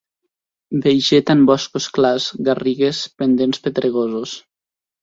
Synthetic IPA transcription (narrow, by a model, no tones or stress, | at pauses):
bejʒet̪ambɔskosklazɣariɣespend̪enspet̪ɾeɣozus